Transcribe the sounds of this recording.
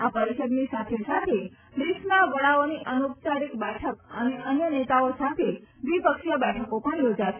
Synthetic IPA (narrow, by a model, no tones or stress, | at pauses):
apəɾiʃəd̪nisat̪ʰesat̪ʰe | ɾismaʋəɭaoniʔənupt͡ʃaɾikbɛʈʰəkəneʔənjənet̪aosat̪ʰeʋipəkʃjəbɛʈʰəkopəɳjod͡ʒaʃe